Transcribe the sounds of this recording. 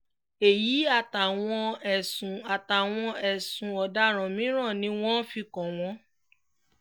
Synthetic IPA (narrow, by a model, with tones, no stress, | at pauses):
e˨ji˨˦a˦˨ta˨w̃ɔ̃˧ɛ˨sũ˨a˨ta˨w̃ɔ̃˧ɛ˨sũ˨ɔ˨da˧˦ɾ̃ã˨mĩ˨˦ɾ̃ã˦˨nĩ˨˦w̃ɔ̃˦fi˧kɔ̃˨w̃ɔ̃˦